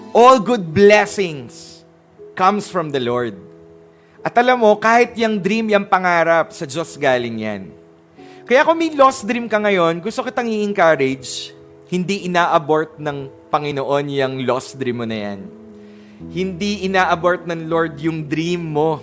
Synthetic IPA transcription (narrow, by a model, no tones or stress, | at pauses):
ʔolɡʊd̪̚blɛsɪŋs | kɐmsfɹɐmd̪ɐloɹd̪̚ | ʔɐt̪ʔɐlɐmːo̞kaːhɪt̪̚jɐŋd̪ɾimjɐŋpɐŋaːɾɐp̚sɐd͡ʒosɡaːlɪŋja̰n | kɐjakomɐjlosd̪ɾimkɐŋɐjo̞nɡʊst̪okɪt̪ɐŋiʔɪŋkɐɾɪd͡ʒ | hɪnd̪iʔɪnaːʔɐbo̞ɹt̪̚nɐŋpɐŋɪnoʔo̞njɐŋlosd̪ɾimːonɐja̰n | hɪnd̪iʔɪnaːʔɐboɹt̪̚nɐŋlo̞ɹd̪jʊŋd̪ɾimːo̞